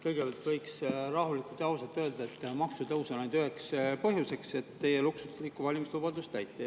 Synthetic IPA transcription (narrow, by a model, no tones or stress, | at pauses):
kɤjɡ̥e̞b̥ɑlt̪vɤjksrɑɦulikult̪ɑwsɑt̪ːˑø̞ːld̪ɑet̪ːˑmɑksut̪ɤwsɑnɑjd̪yɦekspɤɦjuse̞kse̞t̪ːe̞jeluksulikːˑuvɑlʲimislubɑd̪ust̪æjt̪ːˑe